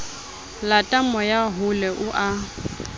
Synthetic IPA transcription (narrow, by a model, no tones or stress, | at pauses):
latʼamɔjaɦʊlɛʔʊʔa